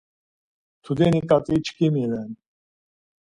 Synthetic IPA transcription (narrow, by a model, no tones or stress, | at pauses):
t̪ʰud̪ɛnikʼat͡sʼit͡ʃʰkʰʼimilɛn